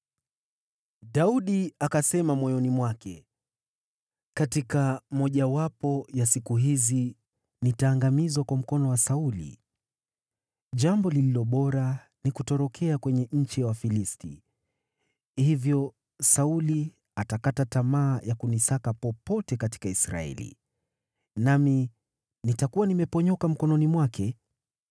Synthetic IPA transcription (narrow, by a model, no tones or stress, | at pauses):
ɗauɗiakasɛmamwɔjɔnimwakɛ | katikam̩ɔʄawapɔjasikuɦizi | nitaːŋɡamizwakwam̩kɔnɔwasaulḭ | ʄambɔlililɔɓɔɾa | nikutɔɾɔkʰɛakwɛɲɛɲ̩t͡ʃiwafilistḭ | hivjɔ | sauli | atakatatamaːjakunisakapɔpɔtɛkati̥kaisɾa̰ɛ̰lḭ | nami | nitakuwanimɛpɔɲɔkam̩kɔnɔnimwakɛ